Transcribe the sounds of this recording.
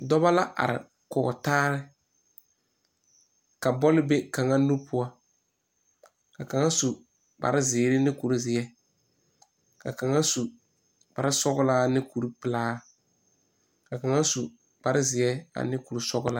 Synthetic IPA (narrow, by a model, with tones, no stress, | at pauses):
dɔ˦ba˦la˦ʔa̰˨ɾɪ̰˨ | kɔ˨taː˦ɾɪ˦ | ka˨bɔ˦lɪ˦be˦ka˨ŋa˦nu˦pʰʊ˦a˦ | ka˨ka˨ŋa˦su˨ | ba̰˨ɾɪ˦zɪː˨˦ɾɪ˦nɪ˦ku˨ɾu˦zɪ˨jɛ˦ | ka̰˨ka˨ŋa˦su˨ | b̥a˨ɾɪ˦sɔ˦ɡʊ˦la˦nɪ˦ku˨ɾu˦pɪ˨laː˦ | ka˨ka˨ŋa˦su˨ | b̥a˨ɾɪ˦zɪ˨ɛ˦a̰˨nɪ˦ku˨ɾu˦sɔ˦ɡʊ˦la˦